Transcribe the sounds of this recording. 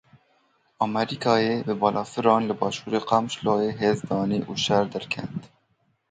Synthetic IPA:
ɑmɛɾikʰɑːjeːbɨbɑːlʔɑːfɨɾɑːnlɨbɑːʃuːɾeːqɑmʃlɑːjeːɦeːzd̪ɑːneːʔuːʃɛɾd̪æɾkʰɛ̰nt̪

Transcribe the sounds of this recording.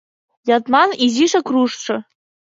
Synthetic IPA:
jatmaniziʂakʰruʂʈ͡ʂʰa

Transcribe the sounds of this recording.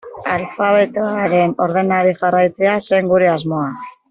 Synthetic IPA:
alfaβe̞t̪oaɾe̞no̞ɾðe̞naɾixarajt͡se̞ase̞ŋɡuɾe̞azmo̞a

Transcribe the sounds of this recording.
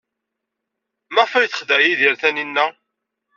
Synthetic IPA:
mæʁfæjθə̥χðæjiðiɾθæninːæ

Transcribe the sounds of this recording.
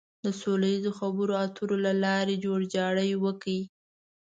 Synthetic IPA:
d̪əsolajizoxabəɾoat̪ʰuɾolalɑɾed͡ʒoɽd͡ʒɑɽəjwəkaji

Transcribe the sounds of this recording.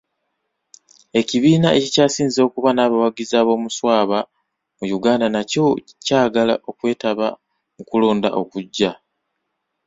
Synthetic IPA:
e̞ciβiːnae̞cicaːsiːnzo̞ːkuβanaːβawaɡizaːβo̞ːmuswaːβa | mujuɡaːndanaco̞ | caːɡala̰ʔo̞kwe̞ːtaβa | mukulo̞ːnda̰ʔo̞̰kuɟːa

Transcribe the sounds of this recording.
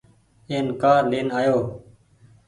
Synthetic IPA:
eːnkaːɾleːnaːjoː

